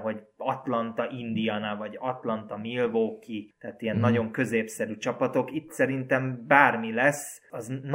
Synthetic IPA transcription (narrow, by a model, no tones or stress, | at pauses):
ɦoɟ | ɒt̪lɒnt̪ɒʔind̪ijanavɒɟɒt̪lɒnt̪ɒmilvoːkit̪ɛːt̪ijɛnːɒɟo̞ŋkø̞zeːpsɛɾyt͡ʃɒpɒt̪o̞kit̪sɛɾint̪ɛmbaːrmilɛs | ɒzn